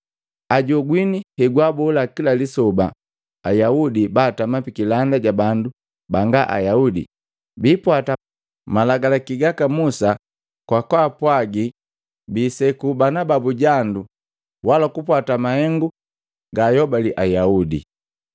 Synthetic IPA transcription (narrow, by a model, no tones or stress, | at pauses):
aɟɔɡwinihɛɡwabɔlakilalisɔba | ajaudibaːtamapikilandaɟabandu | baŋɡaʔa̰jaudḭ | biːpwata | malaɡalakiɡakamusa | kwakwaːpwaɡi | biːsɛkubanababuɟandu | walakupwatamahɛŋɡu | ɡajɔbaliʔajaudḭ